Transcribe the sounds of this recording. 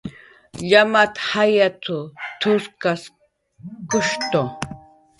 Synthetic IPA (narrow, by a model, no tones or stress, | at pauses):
ʎamat̪hajat̪ʊt̪ʰʊskas | kʊʃt̪o